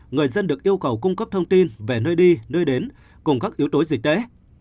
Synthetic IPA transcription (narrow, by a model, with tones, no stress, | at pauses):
ŋɨ˨˩əjzə˧nɗɨ˨˩ək̚ʔi˧əwkə˨˩wkʊ˧ŋ͡mkə˦˥p̚t̪ʰə˧wŋ͡mt̪i˧nve˨˩nəː˧jɗi˧nəː˧jɗe˨˦n | kʊ˨˩ŋ͡mkaː˦˥k̚ʔi˨˦əwt̪o˨˦jzï˨˩k̟̚ɗ̪ḛ˧˥